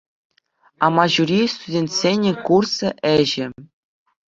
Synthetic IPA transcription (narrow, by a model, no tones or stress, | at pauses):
ɑmɑʑuɾʲist̪udʲenʲt̪ʲsʲenʲekursɤ̆ʔɘ̆ʑɘ̆